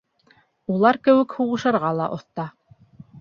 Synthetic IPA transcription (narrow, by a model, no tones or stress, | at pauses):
ulˠɑɾkɘ̆wɘ̆khuʁɤ̆ʃɤ̆ɾʁɑlˠɑʔŏθt̪ɑ